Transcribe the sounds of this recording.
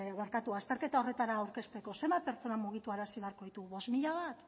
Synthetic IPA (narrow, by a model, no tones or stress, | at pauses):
βaɾkat̪uast̪e̞ɾke̞t̪aore̞t̪aɾaːwɾke̞st̪e̞ko̞se̞mbape̞ɾt͡so̞namuɣ̞it̪uaɾasiβe̞aɾko̞ðit̪uɣβo̞zmiʎaβat̪